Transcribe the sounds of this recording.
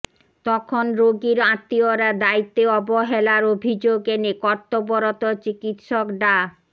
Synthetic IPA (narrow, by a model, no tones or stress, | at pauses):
t̪ɔkʰonɾoɡiɾãt̪ːioɾad̪ait̪ːeɔboɦelaɾobʱid͡ʑoɡenekɔɾt̪oboɾot̪ot͡ɕikit̪ʃokɖa